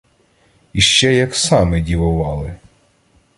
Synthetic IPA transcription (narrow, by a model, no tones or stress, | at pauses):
iʃt͡ʃɛjɐksɑmɪdʲiʋʊʋɑlˠɪ